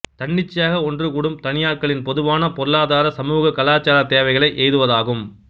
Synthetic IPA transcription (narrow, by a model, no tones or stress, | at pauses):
t̪ɐɳːɪt͡ʃːɪjaːɣɐɔndrɯkuːɽɯmt̪ɐnɪjaːɾkɐɭɪnpɔðɯʋaːnɐpɔɾɯɭaːðaːɾɐsɐmuːɣɐkɐlaːt͡ʃaːɾɐt̪eːʋɐɪɣɐɭɐɪʔɛːjðɯʋɐðaːɣɯm